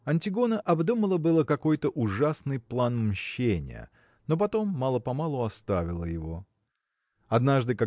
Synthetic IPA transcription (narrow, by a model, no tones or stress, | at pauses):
ɐnʲtʲɪɡo̞nəʔɐbd̪uməlˠəbɨlˠəkɐko̞jt̪əʔʊʐasnɨjplˠanmɕːenʲɪ̰jə̰ | no̞p̬ɐt̪o̞mːɑlˠəpɐmalˠʊɐst̪avʲɪlˠəjɪvo̞ | ɐd̪naʐd̪ɨka